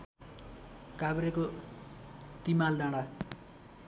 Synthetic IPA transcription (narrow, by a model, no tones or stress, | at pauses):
kabɾeko | t̪imalɖãɽa